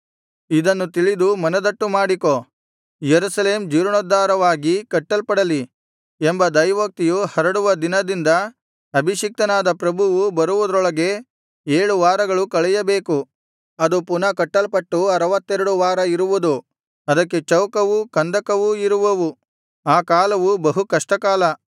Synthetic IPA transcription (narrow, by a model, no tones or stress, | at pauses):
id̪ɐnːut̪̬iɭid̪umɐnɐd̪ɐʈːumaːɽikoː | jeɾusɐle̞ːmd͡ʒiːɾɐɳɔd̪ːaːɾɐʋaːɡikɐʈːɐlpɐɽɐli | embɐd̪ɐjʋɐk̚t̪ijuhɐɾɐɽuʋɐd̪inɐd̪ind̪ɐ | ɐbʱiʃik̚t̪ɐnaːd̪ɐpɾɐbʱuʋubɐɾuʋud̪ɐɾɔɭɐɡe̞ | eːɭuʋaːɾɐɡɐɭukɐɭɛjɐbe̞ːku | ɐd̪upunɐkɐʈːɐlpɐʈːuɐɾɐʋɐt̪ːɛɾɐɽuʋaːɾɐiɾuʋud̪u | ɐd̪ɐkːe̞t͡ʃɐwkɐʋukɐnd̪ɐkɐʋuiɾuʋɐʋu | aːkaːlɐʋubɐɦukɐʂʈɐkaːlɐ